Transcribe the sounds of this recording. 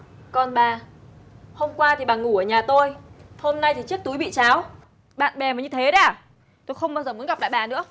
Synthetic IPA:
kɔ˨˩nɓaː˨˩ | ho˧mkwaː˧t̪ʰi˨˩ɓaː˨˩ŋu˧˩əː˧˩ɲaː˨˩t̪o˧jho˧mna˧jt̪ʰi˨˩t͡ɕɨ˦˥ək̚t̪u˨˦jɓḭ˧˨t͡ɕaː˨˦w | ɓa̰ː˧˨nɓɛ˨˩maː˨˩ɲɨ˧t̪ʰe˨˦ɗaː˨˩ | t̪o˧jxə˧wŋ͡mɓaː˧wzəː˨˩mu˨˦ənɣa˨˩p̚ɗa̰˧˨jɓaː˨˩nɨ̰˧˥ə

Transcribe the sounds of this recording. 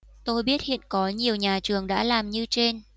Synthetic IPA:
t̪o˧jɓi˦˥ət̚hḭ˧˨ənkɔ˨˦ɲi˨˩əwɲaː˨˩t͡ɕɨ˨˩əŋɗa̰ː˧˥laː˨˩mɲɨ˧t͡ɕe˧n

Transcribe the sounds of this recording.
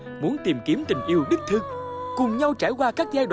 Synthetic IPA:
mu˨˦ənt̪i˨˩mki˨˦əmt̪ï˨˩ŋ̟ʔi˧əwɗɨ˦˥k̚t̪ʰɨ˧ŋkʊ˨˩ŋ͡mɲa˧wt͡ɕaː˧˩jkwaː˧kaː˦˥k̚zaː˧jɗw

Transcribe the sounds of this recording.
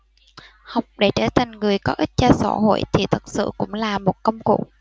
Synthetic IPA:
ha˨˩wk͡p̚ɗe˧˩t͡ɕe˧˩t̪ʰi˨˩ŋ̟ŋɨ˨˩əjkɔ˨˦ʔï˦˥t̚t͡ɕɔ˧sa̰˧˩ɦo̰˧˨jt̪ʰi˨˩t̪ʰə˨˩t̚sɨ̰˧˨kʊ̰˧˥ŋ͡mlaː˨˩mo˨˩t̚kə˧wŋ͡mkṵ˧˨

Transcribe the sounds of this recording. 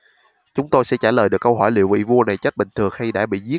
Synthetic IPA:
t͡ɕʊ˨˦ŋ͡mt̪o˧jsɛ̰˧˥t͡ɕaː˧˩ləː˨˩jɗɨ˨˩kːə˧wɦɔ˧˩jlḭ˧˨əwvḭ˧˨vu˧əna˨˩jt͡ɕə˦˥t̚ɓï˨˩ŋt̪ʰɨ˨˩əŋha˧jɗa̰ː˧˥ɓḭ˧˨zi˦˥ə

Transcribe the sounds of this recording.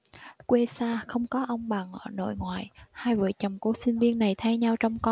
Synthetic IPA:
kwe˧saː˧xə˧wŋ͡mkɔ˨˦ʔə˧wŋ͡mɓaː˨˩ŋʔəː˧˩no̰˧˨jŋwaː˨jhaː˧jvə̰ː˧˨jt͡ɕə˨˩ŋ͡mku˧˩əsï˧ŋ̟vi˧ənːa˨˩jt̪ʰa˧jɲa˧wt͡ɕɔ˧wŋ͡mkɔ˧

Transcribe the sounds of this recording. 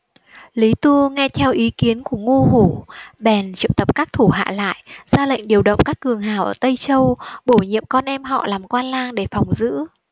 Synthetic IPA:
li˨˦t̪u˧ŋɛ˧t̪ʰɛ˧wʔi˨˦ki˨˦ənku˧˩əŋu˧ɦu˧˩ɓɛ˨˩nt͡ɕḭ˧˨əwt̪ə˨˩p̚kaː˦˥k̚t̪ʰu˧˩ɦa̰ː˧˨la̰ː˧˨jz̥aː˧lə̰˧˨ŋ̟ɗi˨˩əwɗə̰˧˨wŋ͡mkaː˦˥kːɨ˨˩əŋɦaː˧˩wʔəː˧˩t̪ə˧jt͡ɕə˧wɓo˧˩ɲḭ˧˨əmkɔ˧nʔɛ˧mɦɔ̰˧˨laː˨˩mkwaː˧nlaː˧ŋɗe˧˩fa˨˩wŋ͡mzɨ̰˧˥

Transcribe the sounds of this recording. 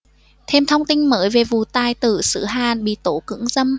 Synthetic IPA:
t̪ʰe˧mt̪ʰə˧wŋ͡mt̪ï˧ŋ̟məː˨˦jve˨˩vṵ˨˩t̪aː˨˩jt̪ɨ˧˩sɨ̰˧˦ɦaː˨˩nɓḭ˧˨t̪o˨˦kɨ̰˧˥əŋzə˧m

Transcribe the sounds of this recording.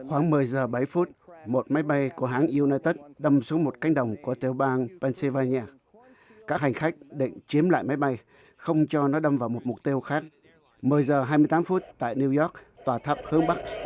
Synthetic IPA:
xwaː˧˩ŋmɨ˨˩əjzəː˨˩ɓa˧˩jfu˦˥t̚mo˨˩t̚ma˨˦jɓa˧jku˧˩əɦaː˨˦ŋʔi˧naː˧jt̪ə˦˥t̚ɗə˧msu˨˦ŋ͡mmo˨˩t̚ka˧˦˥jŋ̟ɗə˨˩wŋ͡mku˧˩ət̪i˧˩əwɓaː˧npɛː˧nsə˧vaː˧ɲaː˧ | kaː˦˥k̚ha˨˩jŋ̟xa˦˥jk̟̚ɗḭ˧˨ŋ̟t͡ɕi˨˦əmla̰ː˧˨jma˨˦jɓa˧j | xə˧wŋ͡mt͡ɕɔ˧nɔ˨˦ɗə˧mvaː˨˩wmo˨˩t̚mʊ˨˩k̚t̪i˧wxaː˦˥k̚ | mɨ˨˩əjzəː˨˩ɦaː˧mɨ˧jt̪aː˨˦mfu˦˥t̚t̪a̰ː˧˨jni˧wzɔ˦˥k̚t̪waː˨˩t̪ʰə˦˥p̚hɨ˧əŋɓa˦˥k̚s

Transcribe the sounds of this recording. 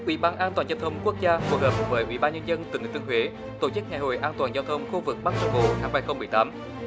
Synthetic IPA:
ʔwi˧˩ɓaː˧nʔaː˧nt̪waː˨˩nza˧wt̪ʰə˧wŋ͡mku˦˥ək̚zaː˧fu˨˩ək̚həː˨˩p̚kʊ˨˩vəː˨˦jʔwḭ˧˩ɓaː˧nɲə˧nzə˧nt̪i˨˩ŋ̟˨t̪ɨ˧ŋhɦwe˨˦ | t̪o˧˩t͡ɕɨ˦˥k̚ŋaː˨˩jɦo̰˧˨jʔaː˧nt̪waː˨˩nzaː˧wt̪ʰə˧wŋ͡mxu˧vɨ˨˩k̚ɓa˦˥k̚t͡ɕə˧˦ɓo̰˧˨t̪ʰaː˨˦ŋbaː˧˩jxə˧wŋ͡mmɨ˨˩əjt̪aː˨˦m

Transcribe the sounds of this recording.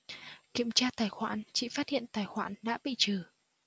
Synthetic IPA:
ki˧˨əmt͡ɕaː˧t̪aː˨˩jxwa̰ː˧˩nt͡ɕḭ˧˨faː˦˥t̚hḭ˧˨ənt̪aː˨˩jxwaː˧˩nɗa̰ː˧˥ɓḭ˧˨t͡ɕɨ˨˩

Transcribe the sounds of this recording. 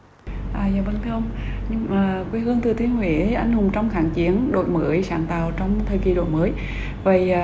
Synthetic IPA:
ʔaː˨˩zaː˧˨˩ɓə˧nt̪ʰi˧˦ʔə˧wŋ͡m | ɲɨ˧ŋmaː˨˩kwi˧hɨ˧əŋt̪ɨ˨˩t̪ʰi˨˧˦ŋwḭ˧˥ʔa˧jŋ̟hʊ˨˩ŋ͡mt͡ɕɔ˧wŋ͡mxaː˧˩ŋt͡ɕi˨˦ənɗo̰˧˨jmə̰˧˩˦jsaː˧˩nt̪aː˨˩wt͡ɕɔ˧wŋ͡mt̪ʰə˨˩jki˨˩ɗo̰˧˨jməː˨˦j | və˨˩˨

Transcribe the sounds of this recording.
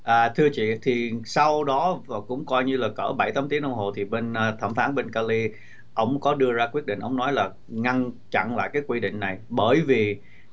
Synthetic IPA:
ʔaː˨˩t̪ʰɨ˧ət͡ɕḭ˧˨t̪ʰi˨˩sa˧wɗɔ˨˦vaː˨˩kʊ̰˧˥ŋ͡mkɔ˧jɲɨ˧laː˨˩kəː˧˩ɓa˧˩jt̪aː˨˦mt̪i˨˦ənʔə˧wŋ͡mɦo˨˩t̪ʰi˨˩ɓe˧naː˧t̪ʰə˧˩mfaː˨˦nɓe˧nkaː˧li˧ | ʔə˧˩wŋ͡mkɔ˨˦ɗɨ˧əzaː˧kwi˦˥ət̚ɗḭ̟˧˨ʔə˧˩wŋ͡mnɔ˨˦jlaː˨˩ | ŋa˧nt͡ɕa̰˧˨nla̰ː˧˨jkaː˨˦jkwi˧ɗḭ̈˧˨ŋ̟na˨˩jɓəː˧˩jvi˨˩

